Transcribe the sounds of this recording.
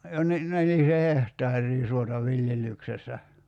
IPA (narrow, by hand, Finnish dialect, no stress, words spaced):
jo ni nelise hehtˑɑːrˑiː suotɑ ʋiljelːyksesːæ